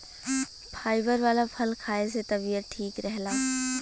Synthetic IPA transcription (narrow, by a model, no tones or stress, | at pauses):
pʰaːɪbəɾʋaːlapʰɐlkʰaːeset̪ɐbijət̪̚ʈʰiːkɾɛɦlaː